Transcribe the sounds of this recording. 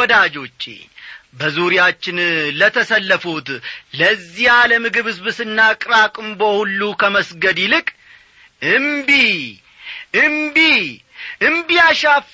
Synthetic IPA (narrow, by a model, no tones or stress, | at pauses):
ɔd̪ad͡ʒo̞t͡ʃːḛbəzuɾjat͡ʃːɪnlət̪ʰəsəlːəfut̪ləzːihaləmɨɡɨβhɨzbɨsɨnːakʼɾakʼɨmbohulːukʰəməsɡəd̪ilɨkʼ | ɨmbi | ɨmbi | ɨmbijaʃaf